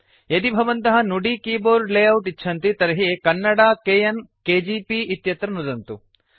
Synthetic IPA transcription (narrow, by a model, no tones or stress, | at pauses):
jɐd̪ibʱɐʋɐnt̪ɐɦɐnuɖikiːboːɾleːjɐwt̪it͡ʃːʃʰɐnt̪it̪ɐɾɐɦikɐnːɐɽaːkeːjɐnkeːd͡ʒiːpiʔit̪jɐt̪ɾɐnud̪ɐnt̪u